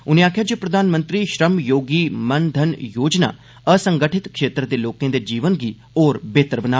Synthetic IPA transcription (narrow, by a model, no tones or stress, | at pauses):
ʊnẽaːkʰijaːd͡ʒeːpɾəd̪aːnmə̃nt̪ɾiːʃɾəmjoːɡiːmənd̪ʱənjoːd͡ʒna̰ː | əsə̃ŋɡəʈʰɪt̪kʰʃeːt̪ɾəd̪eːloːkẽːd̪eːd͡ʒiːʋənɡiː | oːɾbeːt̪ɾbənaː